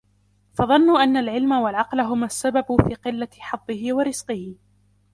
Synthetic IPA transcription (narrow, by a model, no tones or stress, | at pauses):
fɑðˤɑnːʊʔanːalʕɪlmawalʕɑqlaɦʊmasːababʊfiːqɨlːaħɑd̪ˤːɨɦɪwaɾɪz̥qɪhɪ